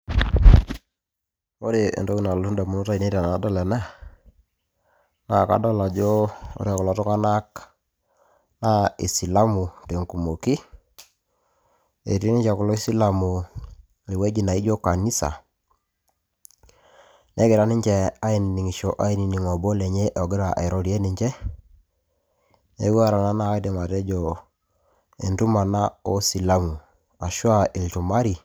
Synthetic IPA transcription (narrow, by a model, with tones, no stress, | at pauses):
o˦ɾe˨ḛ˨nto˦ki˦na˨lo˨˦u˦nda˨mu˦no˦ta˦i˨ne˦ɾa˨na˨˦dɔ˦lɛ˨na˦˨ | na˦˨ka̰˨dɔ˦la˨d͡ʒo˦o̰˦ɾi˦a˨kʊ˨lɔ˨˦tu˦ŋa˦na˦k | na˦i˨si˨la˦mu˨te˨ŋku˨mo˨ki˦ | e˨ɾi˦ni˦t͡ʃa˨kʊ˨lɔ˦i˦si˦la˨mu˨ | li˨we˦d͡ʒi˦na˨i˦d͡ʒo˦ka˨ni˦sa̰˨ | ne˦ɡɪ˨ɾa˨˦ni˦ɲt͡ʃɛ˦˨a˦i˦ni˨ni˨ŋi˨ʃo˨ʔa˦i˦ni˨ni˨ŋɔ˨bɔ˦le˨ɲe˦ʔɔ˨ɡi˦ɾa˨ʔe˨ɾo˦ɾi˨e˦ni˨ɲd͡ʒe˦ | e˦ɡwa˦ɾa˨na˦na˦a˦de˨ma˨tɛ˦d͡ʒɔ˨ | ḛ˨ntu˦ma˨na˦o˦si˨la˦mu˨ | a˨ʃwa˦ʔi˨ltu˨ma˦ɾi˨